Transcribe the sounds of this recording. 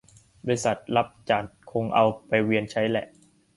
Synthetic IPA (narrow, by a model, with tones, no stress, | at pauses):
baː˧ɾi˧sa˨˩t̪̚la˦˥p̚t͡ɕaː˨˩t̪̚kʰo˧ŋʔa˧wpa˧jwi˧ənt͡ɕʰa˦˥jlɛ˨˩ʔ